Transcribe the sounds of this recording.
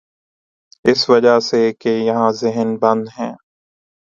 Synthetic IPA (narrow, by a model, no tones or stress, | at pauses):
ɪsʋɐd͡ʒasekejɐɦãzɪɦənbɐ̃nd̪ɦɛ̃ː